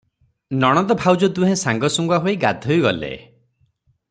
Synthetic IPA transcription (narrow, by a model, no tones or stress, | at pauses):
nɔɽ̃ɔt̪ɔbʱawd͡ʒɔd̪ũɦẽsaŋɡɔsuŋɡwaɦojɡa̰d̪ʱɔjɡɔlḛ